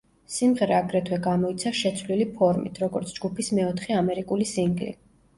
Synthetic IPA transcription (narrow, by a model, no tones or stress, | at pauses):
simʁɛɾɛaɡɾɛt̪ʰwɛɡamɔit̪sʰaʃɛt̪sʰlilipʰɔɾmḭt̪ʰɾɔɡɔɾt̪sʰd͡ʒɡupʰismɛɔt̪ʰχɛamɛɾikʼulisiŋɡlḭ